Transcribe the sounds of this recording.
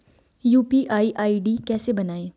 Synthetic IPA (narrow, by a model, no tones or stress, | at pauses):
juːpiːʔaːiʔaːiɖiːkɛːsebɐnaːẽː